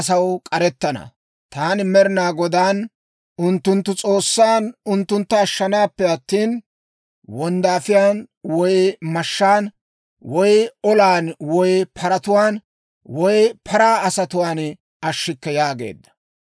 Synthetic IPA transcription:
sɐwkʼɐɾɛt̪ːɐnɐ̰ | t̪aːnɪmɛɾɪnaːɡɔd̪aːn | ʔʊnt̪ːʊnt̪ːʊt͡sʼo̞ːsːaːnʊnt̪ːʊnt̪ːɐːʃːɐnaːpːɛɐt̪ːiːn | wɔnd̪aːfɪjaːnwɔjmɐʃːaːn | wɔjɔlaːnwɔjpʰɐɾɐt̪ʊwaːn | wɔjpʰɐɾaːɐsɐt̪ʊwaːn | ɐʃːɪkːɛjaːɡe̞̰ːd̪ːɐ̥

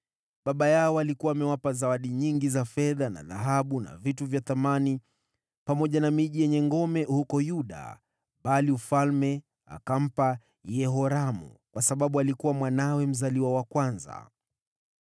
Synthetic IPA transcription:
ɓaɓajaɔalikuwaːmɛwapazawaɗiɲiŋɡizafɛðana̰ða̰ɦaɓuna̰vituvjaθamani | pamɔʄanamiʄijɛɲɛŋɡɔmɛhukɔjuɗa̰ | ɓaliufalmɛ | a̰kam̩pa | jɛɦɔɾamṵkwasaɓaɓualikuwamwanawɛm̩zaliwawakwanza̰

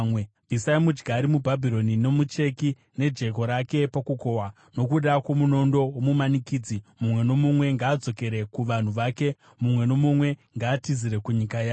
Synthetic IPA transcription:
we | bʱisaimud͡ʒɡaːɾimubʱabʱiɾo̞nino̞mut͡ʃe̞ki | ne̞d͡ʒe̞ko̞ɾake̞pakuko̞wa | no̞kuɗakwo̞muno̞ndo̞womumanikiːd͡zimumwe̞no̞mumwe̞ŋɡaːd͡zo̞ke̞ɾe̞kuʋan̤uʋake̞ | mumwe̞no̞mumwe̞ŋɡaːtiziɾe̞kuɲikajaː

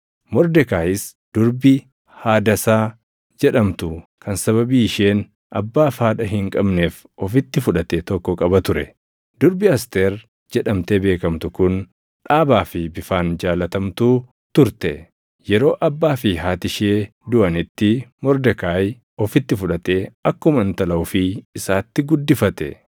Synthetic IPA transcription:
mɔɾd̪ɛkaːjɪs | d̪̥ʊɾbɪ | haːd̪ɐsaː | d͡ʒɛᶑɐmt̪ʊkʰɐnsɐβɐbiːɪʃeːn | ʔɐ̰bːaːfaːᶑɐɦɪŋkʼɐbne̞ːf | ɔfɪt̪ːɪfʊᶑɐt̪et̪ɔkːɔkʼɐbɐt̪ʊɾɛ | d̪ʊɾbɪɐst̪eːɾ | d͡ʒɛᶑɐmt̪eːbe̞ːkɐmt̪ʊkʊn | ᶑaːbaːfɪbɪfaːnd͡ʒaːlɐt̪ɐmt̪uː | t̪ʊɾt̪ɛ | jɛɾo̞ːʔɐbːaːfɪɦaːt̪ɪʃeː | d̪ʊʔɐnɪt̪ːɪmɔɾd̪ɛkaːj | ɔfɪt̪ːɪfʊᶑɐt̪eːɐkːʊmɐnt̪ɐlɐwfɪːsaːt̪ːɪɡʊd̪ːɪfɐt̪ɛ̰

